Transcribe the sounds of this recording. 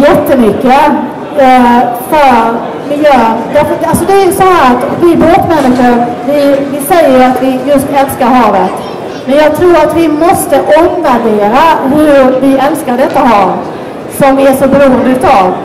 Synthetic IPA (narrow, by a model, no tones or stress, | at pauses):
jɛt̪ːəmʏkːə | fœɾ | mɪjœːvaɾfəalsɔd̪ɛæɾjʉsɔhæːɾat̪ɔkvɪboːt̪mɛnːɪɧəɾvɪvɪsɛjːəɾat̪vɪjɵst̪ɛlskaɾɦɑːvət̪ | mɛnjɑːɡ̚t̪ʰɾuːɾat̪vɪmɔst̪əʔɔmvæɖeːɾaɦɵɾvɪɛlskaɖɛt̪ːaɦɑːv | sɔmæʂɔbɛɾuːənd̪əʉ̟ːt̪ɑːv